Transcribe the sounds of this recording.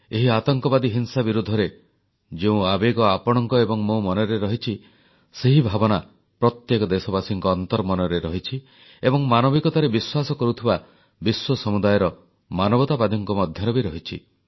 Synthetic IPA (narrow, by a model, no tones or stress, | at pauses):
eɦiat̪ɔŋkɔbad̪iɦinsabiɾud̪ʱːɔɾe | d͡ʒeũabeɡɔapɔɽ̃ɔŋkɔebɔŋmomɔnɔɾeɾɔɦit͡ʃʰi | seɦibʱabɔna | pɾɔt̪jekɔd̪esɔbasiŋkɔːnt̪ɔɾmɔnɔɾeɾɔɦit͡ʃʰi | ebɔŋmanɔbikɔt̪aɾebiswasɔkɔɾut̪ʰiba | biswɔsɔmud̪ajɔɾɔ | manɔbɔt̪abad̪ʱɔŋkɔmɔd̪ʱjɔɾɔbiɾɔɦit͡ʃʰi